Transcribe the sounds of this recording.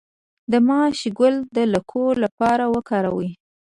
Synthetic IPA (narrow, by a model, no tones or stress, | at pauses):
d̪əmɑʃiɡʊld̪ələkʰolapɑɾawəkɑɾawə